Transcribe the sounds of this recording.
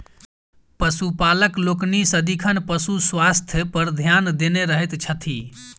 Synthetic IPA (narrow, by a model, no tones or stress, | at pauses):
pəsupaləkloːknisəd̪ikʰənpəsuswast̪ʰjpəɾd̪ʱjand̪eneɾəɦet̪t͡ʃʰət̪ʰi